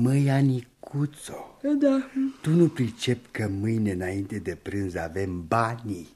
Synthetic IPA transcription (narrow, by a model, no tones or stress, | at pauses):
məjanikut̪sod̪at̪unupɾit͡ʃepʲkəmɨjne̞ɨnaint̪e̞d̪e̞pɾɨnzave̞mbani